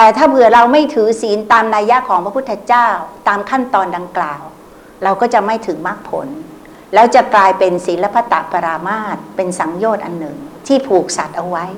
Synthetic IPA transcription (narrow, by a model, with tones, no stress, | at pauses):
t̪ɛː˨˩t̪ʰaː˥˩bɯ˨˩ɐɾa˧wma˥˩jt̪ʰɯː˩˦siː˨˩˦nt̪aː˧mnaː˧ja˦˥ʔkʰɔː˩˦ŋpʰɾa˦pʰu˥˩t̪ʰːa˧t͡ɕaː˥˩wt̪aː˧mkʰa˥˩nt̪ɔː˧nda˧ŋklaː˨˩w | ɾa˧wkɔː˥˩t͡ɕa˨˩ʔma˥˩jt̪ʰɯː˩˦ma˦˥˩k̚pʰo̰˩˦n | lɛː˦˥wt͡ɕa˨˩klaː˧jpe˧nsiː˩˦nla˦˥pʰa˦˥t̪ːa̰˨˩pa˧ɾaː˧maː˥˩t̪̚pe˧nsa˩˦ŋjoː˥˩t̪̚ʔa˧nːɯ˨˩ŋt̪ʰiː˥˩pʰuː˨˩k̚sa˨˩t̪̚ʔa˧wa˦˥j